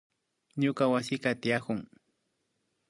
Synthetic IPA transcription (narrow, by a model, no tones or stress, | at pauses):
ɲʊkawasɪkɑt̪ɪjakʊŋ